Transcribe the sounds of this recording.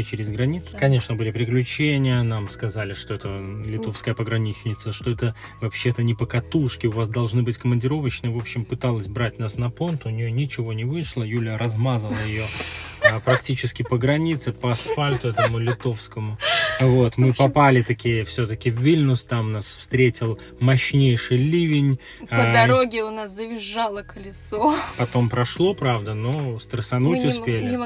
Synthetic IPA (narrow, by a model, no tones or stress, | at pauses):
t͡ɕɪɾʲɪzɡɾɐnʲit̪sʊ̥kɐnʲe̞ʂnəbɨlʲɪpɾʲɪklʲʉt͡ɕenʲɪjənamskɐzalʲɪʂt̪o̞ɛt̪əlʲɪt̪o̞fskəjəpəɡɾɐnʲit͡ɕnʲɪt̪səʂt̪o̞ɛt̪əvɐpɕːe̞t̪ənʲɪpəkɐt̪uʂkʲɪʊvas̬d̪ɐlˠʐnɨbɨtʲkəmənʲdʲɪɾo̞vət͡ɕnɨvo̞pɕːɪmpɨt̪alˠəsʲbɾatʲnasnɐpo̞nt̪ʊnʲɪjonʲɪt͡ɕɪvo̞nʲɪvɨʂlˠəjulʲjəɾɐzmazəlˠəjɪjo̞ | pɾɐktʲit͡ɕɪskʲɪpəɡɾɐnʲit̪sɨpəɐsfalʲt̪ʊɛt̪əmʊlʲɪt̪o̞fskəmʊvo̞t̪mɨpɐpalʲɪt̪ɐkʲijəfsʲot̪əkʲɪvːʲilʲnʊst̪amnasfst̪ɾʲetʲɪlˠ | mɐɕnʲejʂɨjlʲivʲɪnʲ | əd̪ɐɾoɡʲɪʊnaszəvʲɪʐːalˠəkəlʲɪsopɐt̪o̞mpɾɐʂlˠo̞pɾavd̪əno̞st̪ɾəsɐnutʲʊsspʲelʲɪ